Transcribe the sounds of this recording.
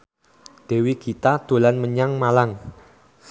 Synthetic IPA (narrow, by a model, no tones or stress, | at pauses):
d̪̥e̤wikit̪ad̪̥o̤lanməɲaŋmalaŋ